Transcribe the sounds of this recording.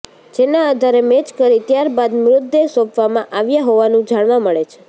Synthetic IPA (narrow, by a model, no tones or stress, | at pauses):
d͡ʒenaːd̪ʱaɾemet͡ʃkəɾit̪jaɾbad̪mɾʊd̪ːesopʋamãʔaʋjaɦoʋanũd͡ʒaɽʋãməɭet͡ʃʰe̥